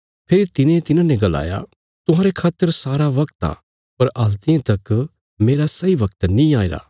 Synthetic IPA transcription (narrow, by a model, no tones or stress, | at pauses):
pʰeːɾit̪ɪnẽt̪ɪnãnɛ̃ɡɐla̰ːja̰ | t̪ʊɦãːɾekʰaːt̪ːəɾsaːɾaʋɐkt̪a̰ | pɐɾʔɐlt̪ɪẽt̪ɐk | meːɾasɐiʋɐkt̪nĩaːeːɾa̰ː